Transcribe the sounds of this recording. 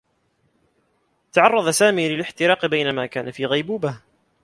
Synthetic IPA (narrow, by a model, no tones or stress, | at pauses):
t̪aʕɑrˤːɑðˤasaːmiːlɪlɪħt̪ɪɾɑːqbajnamaːkaːnafiːɣajbuːbah